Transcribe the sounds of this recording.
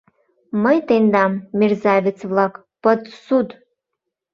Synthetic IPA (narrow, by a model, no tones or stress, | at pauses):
məjt̪end̪ɑmːerzɑβʲet͡sβlɑk | pət̪sud̪